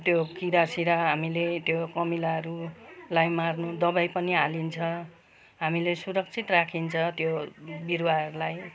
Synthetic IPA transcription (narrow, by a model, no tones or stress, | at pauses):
t̪jokiɾasiɾʌɦamilet̪jokʌmilaʌɾulajmarnud̪ʌbajpʌniɦalint͡sʰʌ | ɦamilesuɾʌk̚t͡sʰit̪rakʰint͡sʰʌt̪jobiɾwaʌɾulaj